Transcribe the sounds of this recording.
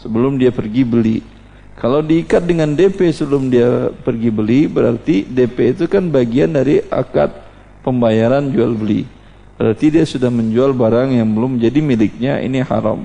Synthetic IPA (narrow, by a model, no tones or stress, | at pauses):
səbəlʊmdiapərɡibəli | kʰalawdiːkat̪̚dəŋandepesəbəlʊmdiapərɡibəlibəɾa̰rt̪idepeit̪ukanbaɡiandaɾiʔa̰ka̰t̪̚ | pəmbajaɾand͡ʒualbəlḭ | b̥əɾart̪idiasudahməɲd͡ʒualbaɾaŋjaŋbəlʊməɲd͡ʒadimilɪk̚ɲaḭniha̰ɾa̰m